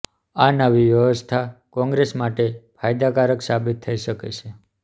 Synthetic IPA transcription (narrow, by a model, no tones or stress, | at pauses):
anəʋiʋjəʋəst̪ʰakɔ̃ŋɡɾesmaʈefʰajd̪akaɾəksabit̪ʰːəiʃəkḛt͡ʃʰe